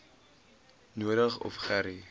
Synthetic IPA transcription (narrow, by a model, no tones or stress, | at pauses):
nuəɾəχɔ̰fχæɾi